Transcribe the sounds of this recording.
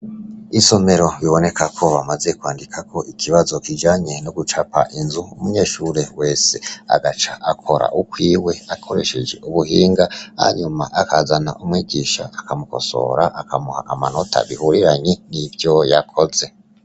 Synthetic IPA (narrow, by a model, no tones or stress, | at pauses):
iso̞me̞ɾo̞βiβo̞ne̞kakʰo̞βamaze̞kwaːndikʰakʰo̞ʔikʰiβazo̞kid͡ʒaːɲe̞noɡut͡ʃapaʔinzuumuɲe̞ːʃuːɾe̞we̞ːsea̰ɡat͡ʃaʔakʰo̞ɾa̰ʔukwiːwe̞akʰo̞ɾe̞̰ʃe̞d͡ʒe̞̰ʔuβuɦiːŋɡaha̰ɲumaʔakazana̰ʔumwiːɟiʃaːkamuko̞̰so̞̰ɾaʔakamuha̰ʔamano̞tʰa̰βihuɾiɾaɲenivjo̞jakʰo̞ze̞